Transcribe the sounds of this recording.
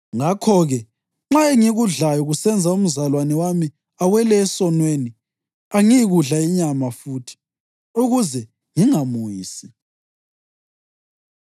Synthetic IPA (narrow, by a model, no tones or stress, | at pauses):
ŋakʰɔɣɛ | ŋ͡ǁaeŋiɣuɮajɔɣusɛnd͡zʱaum̩zalwanɛwami | awɛlɛːsɔnweni | aŋijiɣuɮaiɲamafuːtʰi̥ | uɣuzɛ | ŋiŋamujḭːsi